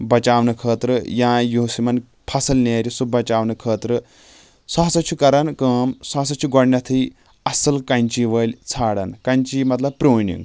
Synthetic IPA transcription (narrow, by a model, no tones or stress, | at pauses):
bɐt͡ʃaːʋnɨkʰəːt̪ɾɨjãːjusimɐn | pʰɐsɐlneːɾisubɐt͡ʃaːʋnɨkʰəːt̪ɾɨ | saɦsɐt͡ʃʰukɐɾɐnkəːmsaːsɐt͡ʃʰuɡɔɽnʲɐt̪ʰɨj | ɐsɐlkɐnt͡ʃiʋəːlʲt͡sʰaːɽɐnkɐnʲt͡ʃimɐt̪lɐb̚pɾoːnḭŋɡ